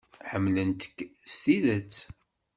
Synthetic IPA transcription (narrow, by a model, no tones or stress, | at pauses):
ħəmːlənt̪ə̥kːst̪iðət͡sː